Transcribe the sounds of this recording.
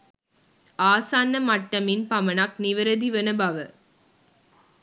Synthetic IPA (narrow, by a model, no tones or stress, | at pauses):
aːsaːnːɐmɐʈːɐmɪnpɐmɐnaːk̚nɪʋɐɾɐd̪iʋɐnɐbaːʋɐ